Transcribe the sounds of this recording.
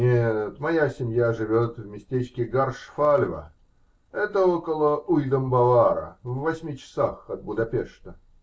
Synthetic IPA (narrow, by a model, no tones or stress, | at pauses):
nʲet̪mɐjasʲɪmʲjaʐɨvʲo̞t̪vmʲɪsʲtʲet͡ɕkʲɪɡarʂfalʲvə̰ | ɛt̪əokəlˠəujd̪əmbɐvaɾə̰vːɐsʲmʲit͡ɕɪ̥saxɐt̪̚bʊd̪ɐpʲeʂt̪ə